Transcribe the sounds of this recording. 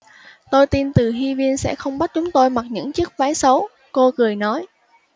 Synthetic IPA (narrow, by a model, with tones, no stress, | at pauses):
t̪o˧jt̪i˧nt̪ɨ˨˩ɦi˧vi˧ənsɛ̰˧˥xə˧wŋ͡mɓa˦˥t̚t͡ɕʊ˨˦ŋ͡mt̪o˧jma˨˩k̚ɲɨ̰˧˥ŋt͡ɕɨ˦˥ək̚vaː˨˦jsə˨˦w | ko˧kɨ˨˩əjnɔ˨˦j